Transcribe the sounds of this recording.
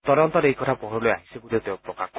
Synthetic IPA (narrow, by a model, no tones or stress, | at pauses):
t̪ɔɾɔnt̪ɔɾejkɔt̪ʰapɔɦɔloja̰ɦisebud̪ʱet̪eopɾɔkak